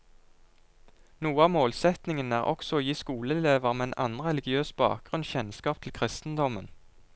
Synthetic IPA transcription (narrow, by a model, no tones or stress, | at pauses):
nuːəɑːʋmoːlsɛt̪nɪŋənæːʁʔɔ̰ksɔoːjiːskuːləleːʋəʁmɛnʔɑ̰nʁɛlɪɡɪøːsbɑ̰ːk̚ɡ̥ʁʉnçɛnskɑːp̚t̪ʰl̩kʰʁɪst̪n̩d̪ɔmən